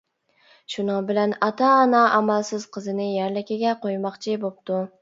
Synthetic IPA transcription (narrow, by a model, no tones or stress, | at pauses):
ʃʊnɨŋbɪlanɑt̪ʰɑːnɑʔamælsɪz̥qʰɨzɪnɪjaɾlɪkʲɪɡʲɛqʰojmɑqt͡ʃʰɪbop̚t̪ʊ